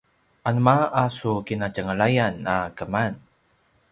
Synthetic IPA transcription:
ʔanumaasukinad͡ʒəŋəɭajanakəman

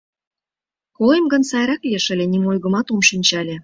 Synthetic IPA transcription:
kojəmɡə̆nsɑjɾɑklieʃə̆lʲenimojɣə̆mɑt̪omʃinʲt͡ɕɑlʲe

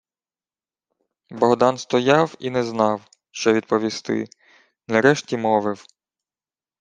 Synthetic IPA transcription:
bɔɦd̪ɑnst̪ɔjɑwinɛznɑw | ʃt͡ʃɔʋʲid̪̚pɔʋʲist̪ɪ̰ | nɐɾɛʃtʲimɔʋɪw

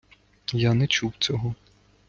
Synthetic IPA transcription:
janɛt͡ʃuwt͡sʲɔɦɔ

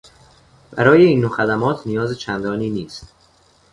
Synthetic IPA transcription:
b̥æɾɒːje̞iːnːoxæd̪æmɒːt̪ʰnijɒːzet͡ʃʰænd̪ɒːniːniːst̪

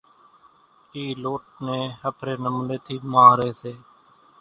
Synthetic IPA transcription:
iːloːʈ̚neːhəpʰɾeːnəmleːt̪ʰiːmaːɾeːseː

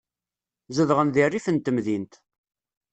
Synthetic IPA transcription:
zəðʁənðirːifənt̪əmðint̪

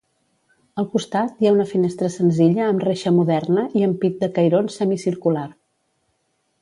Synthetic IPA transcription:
əlˠkust̪at̪jaunəfinest̪ɾəsənziʎəːmreʃəmuðɛrnəʔiəmpit̪̚d̪əkəjɾonsɛmisiɾkular

